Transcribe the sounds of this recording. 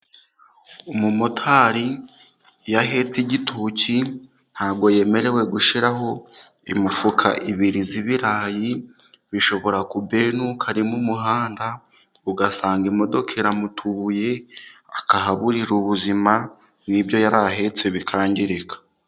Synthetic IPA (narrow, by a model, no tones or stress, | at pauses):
umumotʰaːɾi | jaɦe̞t͡siɟitʰuci | n̥haːɡo̞je̞ːme̞ɾe̞we̞ɡuʃiɾaɦo̞ | ḭmufukʰa̰ʔiβiɾiziβiɾaːji | βiʃo̞βo̞ɾakube̞ːnukʰaɾimumuɦaːnda | uɡasaːŋɡimo̞do̞kʰeɾamutʰuβuje̞ | akaɦaβuɾiɾuβuzima | nibjo̞jaɾaɦe̞t͡se̞βikʰaːɲɟiɾekʰḁ